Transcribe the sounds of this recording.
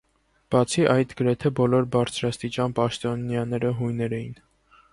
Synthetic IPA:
b̥ɑt͡sʰiʔɑjt̪ɡəɾɛt̪ʰɛbɔlɔɾbɑɾt͡sʰɾɑst̪it͡ʃɑnpɑʃt̪ɔnjɑnɛɾəɦujnɛɾɛjin

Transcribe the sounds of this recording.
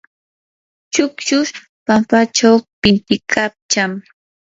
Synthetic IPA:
t͡ʃʊkt͡ʃʊʃ | pampat͡ʃawpɪnt̪ɪkʰap̚t͡ʃam

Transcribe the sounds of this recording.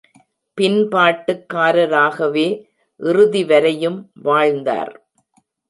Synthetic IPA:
pɪnpaːʈːɯkːaːɾɐɾaːɣɐʋeː | ʔɪrɯðiʋɐɾɐjɯmʋaːɻnd̪a̰ːɾ

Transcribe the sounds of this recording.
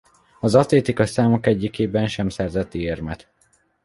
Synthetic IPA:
ɒzɒt̪leːt̪ikɒsaːmokɛɟːikeːbɛnʃɛmsɛrzɛt̪ːieːrmɛt̪

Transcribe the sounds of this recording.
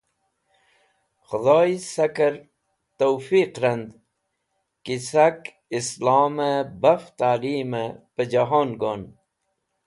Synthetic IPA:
xʊd̪oːisɐkɐɾ | t̪oːfiːqɾɐnd̪ | kisak | islaːmebɐft̪aːliːmepəd͡ʑaɦoːnɡoːn

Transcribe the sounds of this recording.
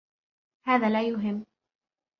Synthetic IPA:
haːðaːlaːjʊɦɪmː

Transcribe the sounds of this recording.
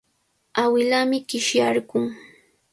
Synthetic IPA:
awɪlamɪɢɪʃjaɾɢʊŋ

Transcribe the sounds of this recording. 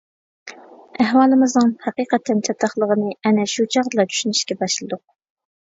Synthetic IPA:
æhwɑːlˠɨmɨznɨŋhɛqiːqɛt̪ʰːɛnt͡ʃʰɑt̪ʰːɑχlˠəʁənɨɛnɛʃut͡ʃʰɑʁd̪ɨlˠɑt͡ʃ̪ʰy̥ʃyniʃkʲɛbɑʃlˠɨd̪ʊq̚

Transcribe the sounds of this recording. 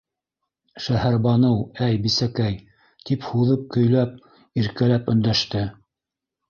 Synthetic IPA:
ʃæhæɾbɑnɤwæjbisækæj | t̪iphuðɤp̚kɵ̆jlæp̚ | iɾkælæpɵ̆nd̪æʃt̪ɘ

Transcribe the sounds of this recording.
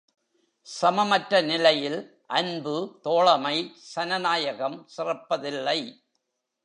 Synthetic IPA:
sɐmɐmɐʈɾɐnɪlɐjɪl | ʔɐnbɯt̪oːɭɐmɐɪsɐnɐnaːjɐɣɐmsɪrɐpːɐðɪlːɐɪ

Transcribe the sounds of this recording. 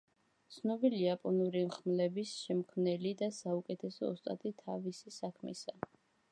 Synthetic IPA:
t̪sʰnɔbiliapʼɔnuɾimχmlɛbisʃɛmkʰmnɛlid̪asaukʼɛt̪ʰɛsɔːst̪ʼa̰t̪ʼit̪ʰavisisakʰmḭsa

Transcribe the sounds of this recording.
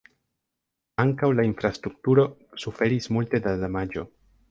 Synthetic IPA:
aŋkawlainfɾast̪ɾuk̚tuɾo̞sufe̞ɾismulte̞dadamad͡ʒo̞

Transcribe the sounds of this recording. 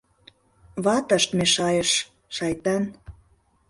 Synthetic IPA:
βɑt̪ə̆ʃt̪meʃɑjəʃ | ʃɑjt̪ɑn

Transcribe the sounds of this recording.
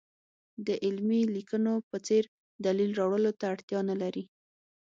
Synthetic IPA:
d̪əʔɪlmilikənopət͡seɾ | d̪alilɾɑwɽəlot̪aːɽt̪jɑnalaɾi

